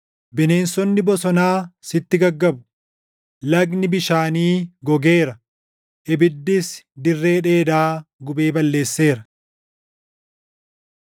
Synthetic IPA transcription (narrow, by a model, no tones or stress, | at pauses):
bɪne̞ːnsɔnːɪbɔsɔnaːsɪt̪ːɪɡɐɡːɐbʊ | lɐɡnɪbɪʃaːniːɡɔɡe̞ːɾɐ | ʔɪbɪd̪ːɪsd̪ɪrːe̞ːᶑe̞ːd̪aːɡʊbe̞ːbɐlːe̞ːsːe̞ːɾɐ